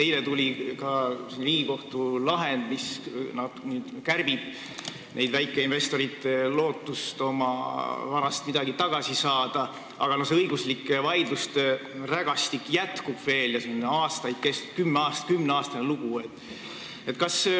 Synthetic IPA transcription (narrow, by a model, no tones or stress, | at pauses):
t̪e̞jlet̪ulʲikɑsinliːɡiko̞ht̪ulɑɦe̞nd̪̥misnɑd̪̥nyːd̪̥kærb̥ib̥ | nʔe̞̰jd̪̥væjkˑːeinve̞st̪o̞ɾit̪elo̞ːt̪ˑːust̪o̞mɑ̰vɑɾɑst̪mid̪ɑɡit̪ɑɡ̥ɑsisɑːd̪̥ɑ | ʔɑ̰ɡ̥ɑnoseɤjɡ̥uslikːvɑjd̪lust̪ræɡ̥ɑst̪ikːjæt̪kub̥ve̞ːljɑsinnɑːst̪ɑjd̪̥̚kest̪u̥kymːeɑːst̪ɑ̥kymneɑːst̪ɑneluɡ̥ue̞t̪ːˑ | e̞t̪kɑs